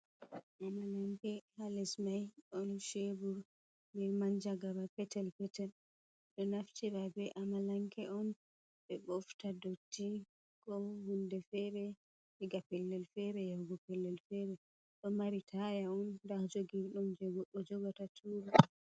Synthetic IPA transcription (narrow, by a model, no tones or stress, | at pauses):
ʔamalaŋkɛhalɛsmajɔnʃebuɾ | bɛmaɲd͡ʒaɡabapɛtɛlpɛtɛl | ɗɔnaft͡ʃiɾabɛʔamalaŋkɛɔn | ɓɛɓɔftadotʰːi | kɔhundɛfɛɾɛ | hiɡapɛlːɛlfɛɾɛjawɡɔpɛlːɛlfɛɾɛ | ɗɔmaɾitʰajaɔndahd͡ʒoɡiɾɗumd͡ʒɔd͡ʒɔɡatatʰuːɾu